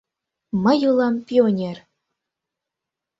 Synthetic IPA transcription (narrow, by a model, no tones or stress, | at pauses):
mə̆julˠɑmpionʲer